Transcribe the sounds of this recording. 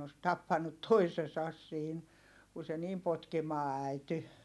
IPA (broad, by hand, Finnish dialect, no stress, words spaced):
os tɑpːɑnːut toisesɑs siːn ku se niːm potkimɑː æˑity